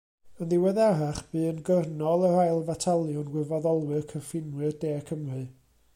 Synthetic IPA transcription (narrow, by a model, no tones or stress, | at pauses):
ənðɪwɛðaɾaχb̥ɨːənɡərnɔlˠərajlˠvatʰalˠjʊnɡwɪvɔðɔlˠwɨrkʰəfɪnwɨrdeːkʰəmrɨ